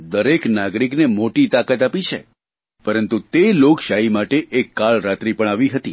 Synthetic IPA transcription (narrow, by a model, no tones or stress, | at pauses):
d̪əɾeknaɡɾiknemoʈit̪akət̪apit͡ʃʰḛ | pəɾənt̪ut̪elokʃaimaʈeʔekːaɭɾat̪ɾipəɳ̃aʋiɦət̪i